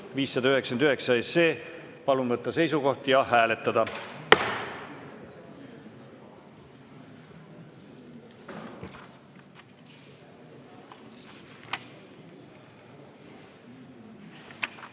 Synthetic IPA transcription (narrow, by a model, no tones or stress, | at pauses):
viːsːɑd̪ɑyɦe̞ksɑnd̪yhe̞ksɑesːeː | pɑlunvɤt̪ˑːɑse̞jsuko̞ht̪jɑɦæːle̞t̪ːˑɑd̪̥ɑ